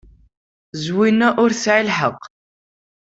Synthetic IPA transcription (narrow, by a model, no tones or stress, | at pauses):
zwinæʔʊɾθʕilħəq